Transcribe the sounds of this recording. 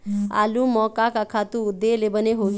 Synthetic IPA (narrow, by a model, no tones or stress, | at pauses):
a̰ːlumɔkakakʰat̪uːd̪elebəneɦoɡ